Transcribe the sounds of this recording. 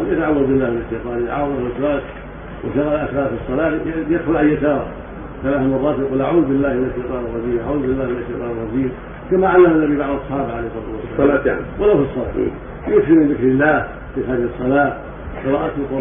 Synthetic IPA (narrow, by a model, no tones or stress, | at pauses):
jɪt̪aʕawːaðbɪlːaːhmɪnɪʃːajt̪ˤɑːnjat̪ʕa̰waðaɪsɾaːt̪ | wʔɪθaɣaːlʔaθɾaːfisˤːɑlaːjad̪xʊlʕajːat̪aːɾˤ | θalaːθmɑrˤːɑːt̪jaquːlʔaʕuːðbɪlːaːhmɪnaʃːajt̪ˤɑːnɨrˤːɑdiːmʔa̰ʕuːðbɪlːaːhmɪnaʃːajt̪ˤɑːnɨrˤɑd͡ʒiːm | kamaʕalːamanːabibaʕdɑsˤħɑːbaʕalejhsˤɑɾɑːt̪uwasːaaa̰walawfisˤːɑla̰ː | jʊksimɪnðɪkɾɪlːaːh | fixaːd̪ɪhɨsˤːɑlɑː | qɨɾˤɑːʔat̪ʊqu